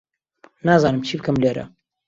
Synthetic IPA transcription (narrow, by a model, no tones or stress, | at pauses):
naːzaːnɨmt͡ʃʰiːbɨkɐmleːɾɐ̰